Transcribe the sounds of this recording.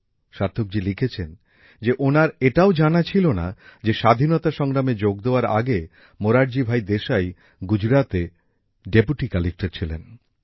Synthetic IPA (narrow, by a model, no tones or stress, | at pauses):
ʃaɾt̪ʰok̚d͡ʑilikʰet͡ɕʰen | d͡ʑeʔonaɾeʈaod͡ʑanat͡ɕʰilona̰d͡ʑeʃad̪ʱinot̪aʃɔŋɾamed͡ʑoɡ̚d̪eoaɾa̰ɡe | moɾaɽd͡ʑibʱajd̪eʃaj | ɡud͡ʑɾat̪e | ɖepuʈikalik̚ʈeɾt͡ɕʰilḛn